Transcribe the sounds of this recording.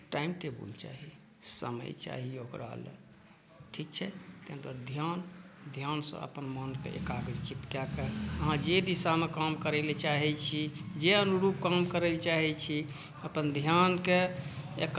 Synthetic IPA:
ʈaimʈebṵlt͡ʃa̰ɦi | sə̰mə̰jt͡ʃa̰ɦiokɾa̰lḛ | ʈʰik̚t͡ʃʰɛt̪ent̪əd̪ʱjand̪ʱjansə̰̃ə̰pənmənkḛʔḛkaɡɾit͡ʃit̪kjakeəɦãd͡ʒed̪isamekamkəɾɛlet͡ʃaɦɛt͡ʃʰid͡ʒeənuɾup̚kamkəɾɛlt͡ʃaɦɛt͡ʃʰi | əpənd̪ʱjankeek

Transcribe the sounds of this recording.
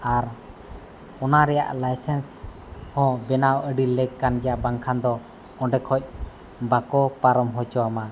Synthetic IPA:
aɾ | ɔnaɾɛja̰ʔlajsɛns | hɔ̃bɛnawəɖilɛɡkanɡɛjaʔbaŋkʰand̪ɔ | ɔ̃ɖɛkʰɔc̚ˀ | bakɔpaɾɔmɦɔd͡ʒɔwama

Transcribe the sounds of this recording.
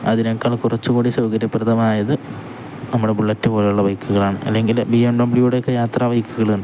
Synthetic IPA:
ɐðinɐkːaːɭkurɐt͡ɕːukuːɽisɐwɡɐɾjɐprɐðɐmaːjɐðɨ | nɐmːuɽebuɭːɐtːɨpoːlɐjuɭːɐʋɐjkːuɣɐɭaːɳɨʔɐ̰lːeŋɡilbiemɖɐmbɭijuːɽejokːejaːt̪raːʋɐjkːuɣɐɭunɳɖɨ

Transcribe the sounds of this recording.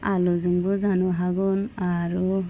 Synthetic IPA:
aluzuŋbɯzanuɦaɡɔnaɾu

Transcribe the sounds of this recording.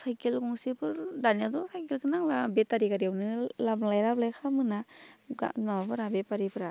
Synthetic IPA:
sajkelkuŋsipɯɾdanat̪ɔsajkilkʰɯnaŋlabet̪aɾikaɾiɛwnɯlaplajlaplajkʰamɯnaɡa̰mamapɯɾabepaɾipɯɾa

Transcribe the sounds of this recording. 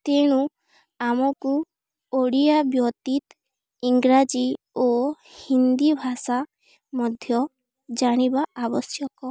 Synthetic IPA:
t̪eɽ̃u | amɔku | oɽijabjɔt̪it̪ | iŋɡɾad͡ʒi | o | hind̪ibʱasa | mɔd̪ʱjɔ | d͡ʒaɽ̃ibaːbɔsjɔkɔ

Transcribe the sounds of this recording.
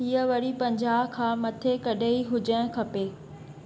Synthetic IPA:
iːəʋɐɾipɐ̃ɲd͡ʑaːbkʰãːmɐt̪ʰekɐɗʱeiɦʊd͡ʑəɽ̃kʰɐpeː

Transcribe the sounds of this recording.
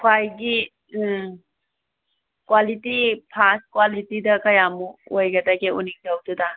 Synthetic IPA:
kʰwajɡi | kwalitipʰas̚kwalitidɐkɐjamuojɡɐdaɡeuniŋd͡ʒawduda

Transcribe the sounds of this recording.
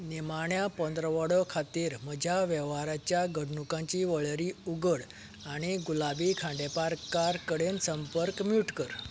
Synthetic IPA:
nimaɳjapɔ̃nd̪ɾəʋəɽɔkʰat̪iːɾməd͡ʑʱjaʋɛʋaɾat͡ɕjaɡəɽɳukãt͡ɕiːʋəɭɾiuɡəɽ | aɽ̃iɡulabikʰãɳɖepaɾkaɾkəɽensəmpəɾkmuʈkəɾ

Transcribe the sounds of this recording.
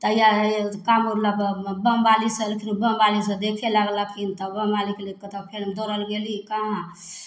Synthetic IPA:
t̪əjakamuɾləbbəmbalisəlkʰinbəmbalisə̃d̪ekʰelaɡlakʰint̪əbəmbalikelekət̪əpʰeɾmd̪oɾəlɡelikãɦ

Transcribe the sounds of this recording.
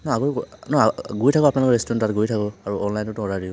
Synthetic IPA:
nɔaɡɔnɔɡujtʰakʊapnalʊkɔɹestɔnatɡojtʰakɔaɹuɔnlajntʊtɔɹadiʊ

